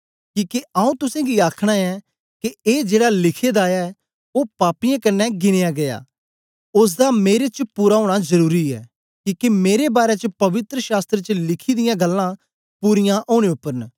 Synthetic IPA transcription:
kiːkeaːũːt̪ʊsẽːɡiaːkʰɽ̃aɛ | kieːd͡ʒeːɽalɪkʰed̪aːjɛ | oːpaːpijãkɐnːɛɡɪɽ̃ejaːɡɐja̰ː | ʊs̬d̪ameːɾet͡ʃpʊɾaɦoːɽ̃azɐɾuːɾiɛ̰ː | kiːkemeːɾebaːɾet͡ʃəpɐʋɪt̪ɾəʃaːst̪ɾət͡ʃəlɪkʰid̪ɪjãɡɐlːã | pʊɾɪjãʔoːɽ̃eʊpːəɾn

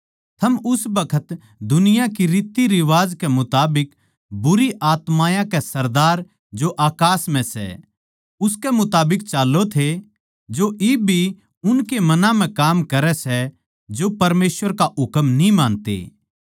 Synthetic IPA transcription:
t̪ʰɐmʊsbɐkʰət̪ | d̪ʊnɪjakiɾiːt̪iɾɪʋaːd͡ʒkɛmʊt̪aːbɪk | bʊɾiʔaːt̪maːjãkɛsɐɾd̪aːɾ | d͡ʒoʔaːkaːsm̤ɛ̃sɛ̰ | ʊskɛmʊt̪aːbɪkt͡ʃaːlːot̪ʰe | d͡ʒoʔɪbʱi | ʊnkemɐnãm̤ɛ̃kaːmkɐɾɛsɛ | d͡ʒopɐɾmeːsʋəɾkaʔʊkəmnĩmaːnt̪ḛː

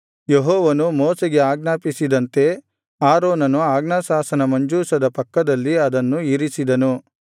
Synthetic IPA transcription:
jeɦɔːʋɐnumɔːseɡe̞aːɡnaːpisid̪ɐnt̪e̞ | aːɾoːnɐnuaːɡnaːsaːsɐnɐmɐɲd͡ʒuːsɐd̪ɐpɐkːɐd̪ɐlːiɐd̪ɐnːuiɾisid̪ɐnu

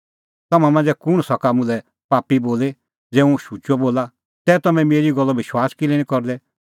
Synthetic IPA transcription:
t̪ɐmãmãnd͡zɛkʊɽ̃sɔkamʊ̃lɛ | paːpiboːle | d͡zɛːũʃut͡ʃɔboːla | t̪ɛːt̪ɐmɛ̃meːɾiɡɔlːɔʋɪʃwaːskɪlɛɽ̃ĩkɔɾd̪ɛ

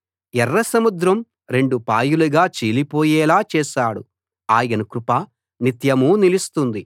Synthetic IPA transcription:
ɛrːɐsɐmud̪ɾɐm | ɾe̞ɳɖupaːjuluɡaːt͡ʃiːlipoːjɛːlaːt͡ʃɛːʃaːɽṵ | aːjɐnukɾupaː | nit̪jɐmuːnilist̪und̪i

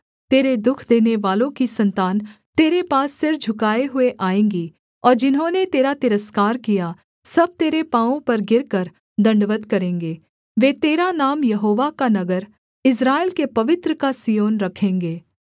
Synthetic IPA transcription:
t̪eːɾed̪ʊkʰd̪eːneʋaːlõkisɐ̃nt̪aːnt̪eːɾepaːsːɪɾd͡ʒʱʊkaːeɦʊeʔaːẽːŋɡi | ɔːɾd͡ʒɪnɦõnet̪eːɾat̪ɪɾəskaːɾkija | sɐb̚t̪eːɾepãːõpɐɾɡɪɾkəɾ | d̪ɐ̃ɳɖʋət̪kɐɾẽːŋɡeː | ʋeːt̪eːɾanaːmjɐɦoːʋakanɐɡəɾ | ɪs̬ɾaːelkepɐʋɪt̪ɾəkasijoːnɾɐkʰẽːŋɡeː

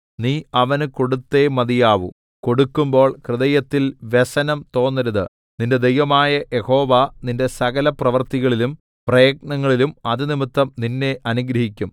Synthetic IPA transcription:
niːɐʋɐnko̞ɽut̪ːe̞mɐðijaːʋṵ | ko̞ɽukːumbo̞ːɭkrɨðɐjɐt̪ːilʋesɐnɐmt̪o̞ːnːɐɾuðɨ | ninde̞d̪ejʋɐmaːjɐʔjeho̞ːʋɐninde̞sɐɣɐlɐprɐʋɐrt̪iɣɐɭilum | prɐjɐk̚ɳɐŋːɐɭilumɐðɨnimɨt̪ːɐmninːe̞ʔɐnuɡɾɐhikʲːum

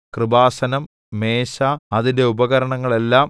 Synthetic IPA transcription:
krɨbaːsɐnɐmː | e̞ːɕaɐðinde̞ubɐɣɐɾɐɳɐŋːɐɭe̞lːaːm

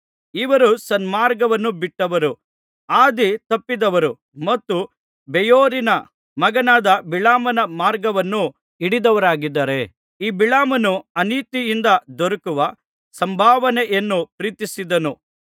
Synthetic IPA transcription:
iʋɐɾusɐnmaːɾɡɐʋɐnːubiʈːɐʋɐɾu | aːd̪it̪ɐpːid̪ɐʋɐɾu | mɐt̪ːu | bɛjoːɾinɐ | mɐɡɐnaːd̪ɐbiɭaːmɐnɐmaːɾɡɐʋɐnːu | iɽid̪ɐʋɐɾaːɡid̪ːɐːɾe̞ | iːbiɭaːmɐnuɐniːt̪ijind̪ɐd̪ɔɾɐkuʋɐ | sɐmbʱaːʋɐneʔenːupɾiːt̪isid̪ɐnu

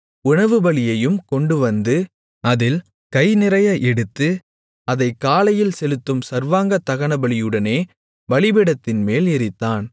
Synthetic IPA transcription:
ʊɳɐʋɯbɐɭɪjɐjɯmkɔɳɖɯʋɐnd̪ɯ | ɐðɪl | kɐɪnɪɾɐjaʔɛɽɯt̪ːɯ | ɐðɐɪkːaːlɐjɪlsɛlɯt̪ːɯmsɐɾʋaːŋɡɐt̪ːɐɣɐɳɐbɐɭɪjɯɽɐneː | ʋɐɭɪbɪɽɐt̪ːɪnmeːlɪɾɪt̪ːaːn

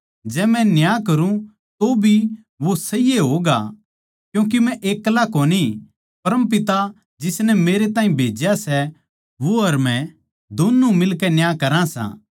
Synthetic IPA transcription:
d͡ʒɛːmɛ̃njaːkɐɾũ | t̪obʱi | ʋosɐɪjeɦoːɡa̰ | kjũːk̬imɛ̃ʔeːkːlakoːni | pɐɾəmp̬ɪt̪a | d͡ʒɪsnɛmeːɾet̪aːĩbʱeːd͡ʒjasɛ | ʋoɐɾmɛ̃ | d̪onːumɪlkɛnjaːkɐɾãsã̰ː

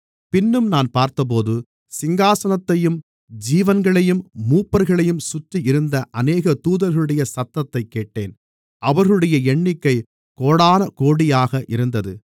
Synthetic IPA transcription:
pɪnːɯmnaːnpaːɾt̪ɐp̬oːðɯ | sɪŋɡaːsɐnɐt̪ːɐjɯm | d͡ʒiːʋɐnɡɐɭɐjɯmːuːpːɐɾɣɐɭɐjɯmsʊt̪ːiɪɾɯnd̪ɐʔɐneːɣɐt̪uːðɐɾɣɐɭɯɽɐjɐsɐt̪ːɐt̪ːɐɪkːeːʈːḛːn | ʔɐʋɐɾɣɐɭɯɽɐjɐɛɳːɪkːɐɪ | koːɽaːnɐkoːɽɪjaːɣɐʔɪɾɯnd̪ɐðɯ

